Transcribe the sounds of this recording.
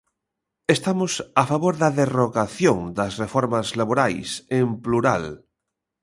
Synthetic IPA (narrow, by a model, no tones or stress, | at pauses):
est̪amosafaβoɾðaðeroɣaθjoŋd̪ɐsrefoɾmazlaβoɾajsempluɾal